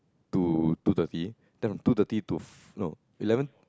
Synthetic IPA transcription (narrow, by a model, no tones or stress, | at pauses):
t̪ut̪ut̪at̪i | t̪ɛ̃fmt̪ut̪at̪it̪uf | no̰ | ilɛvə̃n